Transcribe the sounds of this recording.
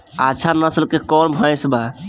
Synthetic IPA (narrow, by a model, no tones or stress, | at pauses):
at͡ʃʰanəslkekɔɾbʱə̃jsba